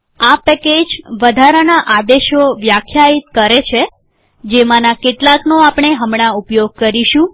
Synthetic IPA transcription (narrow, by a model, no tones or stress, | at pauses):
apɛked͡ʒʋəd̪ʱaɾənaʔad̪eʃoʋjakʰjait̪kəɾet͡ʃʰe | d͡ʒemãnakeʈlaknoapɳeɦəmɳaupjoɡ̚kəɾiʃũ